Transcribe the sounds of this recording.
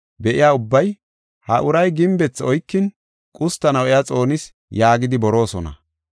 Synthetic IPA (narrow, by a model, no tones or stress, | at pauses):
bɛʔɪjaːʊbːɐj | hɐʔʊɾɐjɡɪmbɛt͡sːɔjkːɪn | kʼʊst̪ːɐnɐwɛjat͡sʼo̞ːnɪs | jaːɡɪd̪ɪbɔɾo̞ːsɔnɐ̰